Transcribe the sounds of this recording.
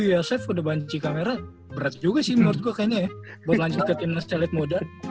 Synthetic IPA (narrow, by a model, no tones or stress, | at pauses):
jasɛfudabaɲt͡ʃikameɾa | bəɾat̪̚d͡ʒuɡasɪmənɔrt̪̚kuakajaɲajabuat̪laɲd͡ʒʊt̪̚kət̪innast͡ʃalɛt̪̚moda